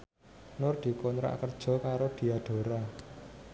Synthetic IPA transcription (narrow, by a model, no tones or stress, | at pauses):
nʊrd̪̥i̤kɔnɾa̰ʔkərd̥ʒ̥ɔ̤kaɾod̪̥i̤aɖ̪̥o̤ɾa